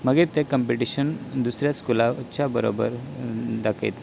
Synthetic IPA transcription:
məɡet̪ekəmpiʈiɕənd̪usɾjaskulat͡ɕabəɾo̰bə̰ɾd̪akʰḛt̪

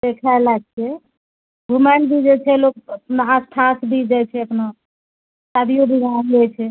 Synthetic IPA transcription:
d̪ekʰalaɡ̚t͡ʃʰɛ | ɡʱumaɳbʱid͡ʒɛt͡ʃʰɛlokəpnaːsʈʰasbʱid͡ʒajt͡ʃʰɛəpna | sad̪ijobʱiɡʱand͡ʒɛt͡ʃʰɛ

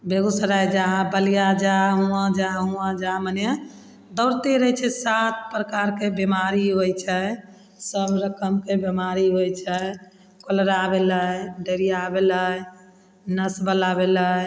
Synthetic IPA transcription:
beɡusəɾajd͡ʒabəlijad͡ʒaɦũãd͡ʒaɦũãd͡ʒamənje | d̪əʊɾt̪eɾət͡ʃʰɛsat̪̚ʰpɾəkaɾkebemaɾiɦojt͡ʃʰɛ | səbɾəkəmkebemaɾiɦojt͡ʃʰɛ | kolɾabeləjɖəɾijabelə | nəsbəlabelə

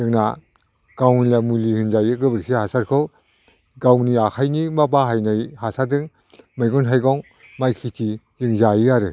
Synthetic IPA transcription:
dɯŋna | ɡ̥awilamulihɯnzajɯɡɯbɯɾkʰihasaɾkʰɔw | ɡawniakʰajnimabaɦajnajhasadɯŋ | mɯjɡɔnɦajɡɔŋ | majkʰitʰizɯŋzajiaɾɯ

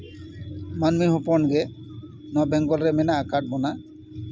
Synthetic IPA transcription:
manmiɦupɔnɡɛ | nɔbɛŋɡɔlɾɛmɛnaːkaʈ̚bɔna

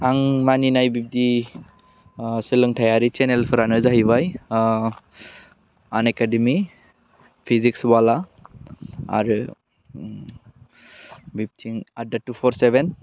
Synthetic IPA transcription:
aŋmaninajbip̚di | silɯŋtʰajaɾit͡ʃenelpʰɯɾanɯzaɦiβaj | anekadimi | pʰiziksbala | a̰ɾɯ | bip̚tʰiŋadatupʰɔɾseben

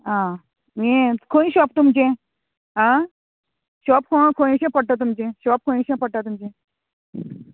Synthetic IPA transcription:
ɦã | mikʰõĩɕɔp̚t̪umd͡ʑẽ | ɦã | ɕɔpkʰõkʰoĩɕẽpəɽ̚ʈ̪at̪̬umd͡ʑẽɕɔp̚kʰoĩɕẽpəɽʈ̪at̪umd͡ʑẽ

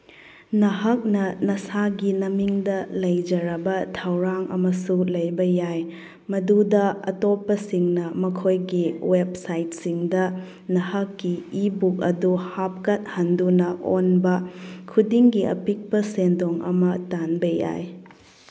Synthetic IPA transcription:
nɐɦɐk̚nɐnɐsaɡinɐmiŋdɐlɐjd͡ʒɐɾɐbɐtʰɐwɾaŋɐ̰mɐsulɐjbɐjaj | mɐdudɐɐ̰topːɐsiŋnɐmɐkʰojɡiweb̚sajt̚siŋdɐ | nɐhɐkːiibuk̚ɐ̰duhap̚kɐt̚hɐndunɐʔonbɐkʰudiŋɡiɐ̰pik̚pɐsendoŋɐ̰mɐtanbɐja̰j

